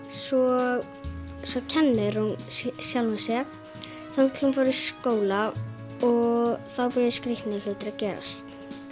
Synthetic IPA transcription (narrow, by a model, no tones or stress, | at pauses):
svɔɣ | svɔcʰɛnːɪðɾ̥hunsjalmʏnsjɛɣ | θaŋt̪ʰɪlhunfawɾɪ̥skoːwla | ɔɣθawpʏɾðɪskɾɪht̪nɪl̥ʏːt̪ɪɾacɛːɾa̰st̪